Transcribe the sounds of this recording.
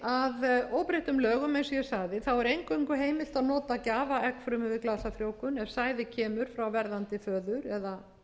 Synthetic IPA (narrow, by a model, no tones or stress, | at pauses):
aðoːwpɾeht̪ʏmlœːɣʏmɛnsɔjɛsaɣðɪθawɛɾejŋkœŋkʏɦeːjmɪl̥t̪aðnɔːt̪acaːvaʔɛkfɾʏmɪvɪklaːsafɾjoːwkʏnɛv̥saːjðɪcʰɛːmʏɾ̥fɾawvɛɾðant̪ɪfœːðʏɾɛða